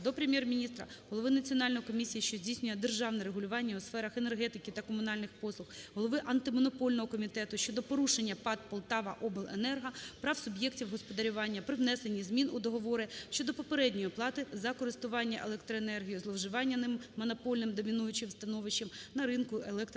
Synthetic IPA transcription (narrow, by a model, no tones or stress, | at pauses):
d̪ɔpɾemʲjɛrmʲinʲist̪ɾɐɦɔlˠɔʋɪnɐt͡sʲiɔnɑlʲnɔjkɔmʲisʲijiʃt͡ʃɔzʲdʲijsʲnʲʊjɛd̪erʒɑwnɛɾeɦʊlʲʊʋɑnʲːɐʊsfɛɾɐxenerɦɛt̪ɪkʲɪt̪ɐkɔmʊnɑlʲnɪxpɔslˠʊxɦɔlˠɔʋɪʔɐnt̪ɪmɔnɔpɔlʲnɔɦɔkɔmʲit̪ɛt̪ʊʃʲt͡ʃɔd̪ɔpɔɾuʃenʲːɐpɑt̪̚pɔlˠt̪ɑʋɐʔɔbɪlˠenɛrɦɐpɾɑwsʊbʲjektʲiwɦɔspɔd̪ɐɾʲʊʋɑnʲːɐpɾɪʋnɛsenʲːizmʲinʊd̪ɔɦɔʋɔɾɪʃt͡ʃɔd̪ɔpɔpeɾɛdʲnʲɔjɔplˠɑt̪ɪzɐkɔɾɪst̪ʊʋɑnʲːɐʔelˠɛkt̪ɾɔenɛrɦʲijʊzlˠɔwʒɪʋɑnʲːɐnɪmːɔnɔpɔlʲnɪmd̪ɔmʲinujʊt͡ʃɪwst̪ɐnɔʋɪʃːɪmnɐɾɪnkʊʔelˠɛkt̪